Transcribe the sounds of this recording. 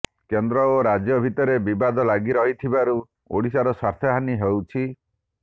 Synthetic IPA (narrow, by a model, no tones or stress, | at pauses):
kend̪ɾɔoɾad͡ʒjɔbʱit̪ɔɾebibad̪ɔlaɡiɾɔɦit̪ʰibaɾu | o̰ɽisaɾɔsaɾt̪ʰeɦaniɦewt͡ʃʰi